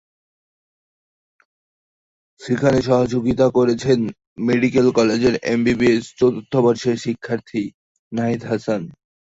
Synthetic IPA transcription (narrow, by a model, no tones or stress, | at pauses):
ʃekʰaneʃɔɦad͡ʑoɡit̪akoɾet͡ɕʰen | meɖikelkɔled͡ʑeɾḛmbibiest͡ɕot̪ut̪ʰːobaɾʃeɾʃikʰːaɾt̪ʰi | naed̪ɦasan